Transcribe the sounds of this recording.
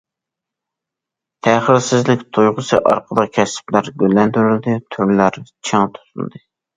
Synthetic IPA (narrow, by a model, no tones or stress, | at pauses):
t̪ʰæχɪɾsɪzlɪkʲt̪ʰujʁʊsʰɨ̰ʔɑ̰ɾqʰəd̪ɑkʲʰɛsɪ̥plæɾɡʲølːɛnd̪yɾyld̪ɪt̪ʰyɾlæɾt͡ʃʰɨŋt̪ʰu̥t̪ʰul̰ˠd̪ɨ